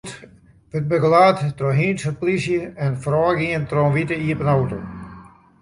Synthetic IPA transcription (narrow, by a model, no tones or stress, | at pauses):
t | ʋət̚bəɡlaːttroɦiːnsəplisjəɛnfrɔːɡiəntronʋitəiəpənawto